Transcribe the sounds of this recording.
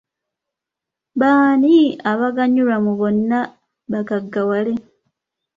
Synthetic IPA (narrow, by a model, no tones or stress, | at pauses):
baːniaβaɡaɲːulamuβo̞nːa | βakaɡːawale